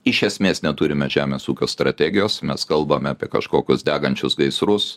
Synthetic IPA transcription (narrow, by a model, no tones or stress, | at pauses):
ɪʃʲɛsʲmʲeːsnʲɛt̪ʊɾʲɪmʲɛʒʲæːmʲeːsuːkʲoːst̪ɾɐt̪ʲæːɡʲɪjoːsmʲɛskɐlˠbɐmʲɛɐːpʲiɛkɐ̰ʃkoːkʲʊsd̪ʲæːɡɐnʲt͡ʃʲʊsɡɐɪsɾʊs